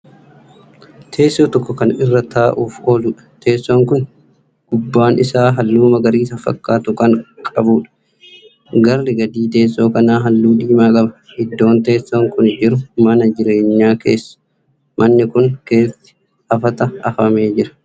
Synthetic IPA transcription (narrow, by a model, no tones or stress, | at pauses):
t̪ʰe̞ːsːoːt̪ɔkːɔkɐnɪrːɐt̪aːʔuːfhoːluːᶑɐ̥t̪ʰe̞ːsːoːŋkʊn | ɡ̥ʊbːaːnɪsaːɦɐlːuːmɐɡɐɾiːsɐfɐ̰kːaːt̪ʊkɐŋkʼɐbuːᶑɐ̥ | ɡɐrːɪɡɐd̪iːt̪e̞ːsːo̞ːkɐnaːɦɐlːuːᶑiːmaːkʼɐbɐ | hɪd̪ːo̞ːnt̪̬e̞ːsːoŋkʊnd͡ʒɪɾʊmɐnɐd͡ʒɪɾe̞ːɲːaːke̞̰ːsːɐ̥ | mɐnːɪkʊŋke̞ːt̪ɪ̥ | ɐfɐt̪ɐɐfɐmeːd͡ʒɪɾɐ̥